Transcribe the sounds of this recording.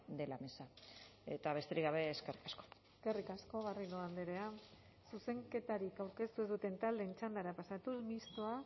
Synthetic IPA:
d̪e̞lame̞sae̞t̪aβe̞st̪e̞ɾiɣɡaβe̞ːske̞rikaskoeske̞rikasko̞ɣariloand̪eɾe̞a | suse̞ŋke̞t̪aɾikawɾke̞st̪uezðut̪e̞nt̪ald̪e̞ːnt͡ʃand̪aɾapasat̪ulmist̪o̞a

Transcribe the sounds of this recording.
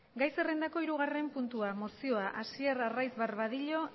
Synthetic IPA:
ɡajse̞rend̪ako̞iɾuɣ̞are̞mpunt̪uamo̞sio̞aʔasieɾarajzβaɾβaðiʎo̞

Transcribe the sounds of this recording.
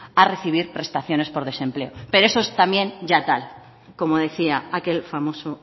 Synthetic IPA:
are̞θiβ̞iɾpre̞st̪aθjo̞ne̞spo̞ɾð̞e̞sẽ̞mple̞ope̞ɾoe̞soe̞st̪amjẽ̞nɟ͡ʝat̪al | ko̞moð̞e̞θiaake̞lfamo̞so

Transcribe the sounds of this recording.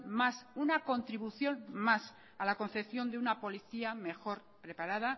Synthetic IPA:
masunako̞nt̪ɾiβuθjo̞nmas | alako̞nθe̞pθjo̞nd̪eunapo̞liθiame̞xo̞ɾ | pɾe̞paɾað̞a

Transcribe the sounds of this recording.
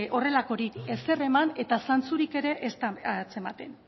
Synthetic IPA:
o̞re̞lako̞ɾiese̞re̞mane̞t̪asant͡suɾike̞ɾe̞ʔest̪t͡se̞mat̪e̞n

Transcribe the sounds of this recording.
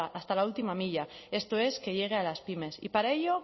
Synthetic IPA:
aʔast̪alault̪imamiʎae̞st̪oe̞ske̞ʎe̞ɣ̞e̞alaspime̞sḭpaɾae̞ʎo

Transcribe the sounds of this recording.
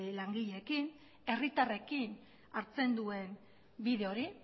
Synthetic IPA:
laŋɡiʎe̞kin | e̞rit̪are̞kin | aɾt͡se̞nd̪ue̞n | biðe̞o̞ɾi

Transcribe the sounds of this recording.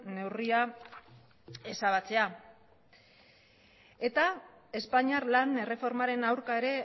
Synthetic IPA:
ne̞wria | e̞saβ̞at͡se̞a | e̞t̪a | e̞spaɲiarlane̞re̞fo̞ɾmaɾe̞nawɾkae̞ɾe̞

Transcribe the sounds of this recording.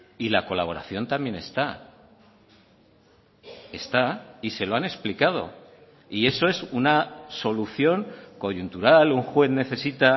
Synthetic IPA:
ilako̞laβ̞o̞ɾa̰θjo̞nt̪ambjene̞st̪a | e̞st̪aise̞lo̞ane̞ksplikað̞o̞̰ | ie̞so̞e̞sunaso̞luθjo̞ŋko̞ʝunt̪uɾaluŋxwe̞θne̞θe̞sit̪a

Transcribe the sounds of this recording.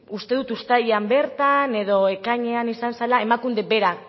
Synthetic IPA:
ust̪e̞ðut̪ust̪aðambe̞ɾt̪ane̞ðo̞e̞kaɲe̞anisansalae̞makund̪e̞be̞ɾak

